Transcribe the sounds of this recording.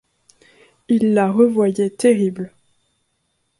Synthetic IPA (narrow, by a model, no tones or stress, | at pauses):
ilːaʁəvwajɛt̪eʁibl